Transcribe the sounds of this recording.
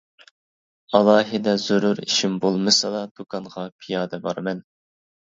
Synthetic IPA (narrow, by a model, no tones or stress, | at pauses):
ɑlˠɑːɦɨd̪ɛzuɾuɾḭʃimbolˠmɨsɑlˠɑd̪̥ukʰɑnʁɑpʰijɑːd̪ɛbɑɾmɛn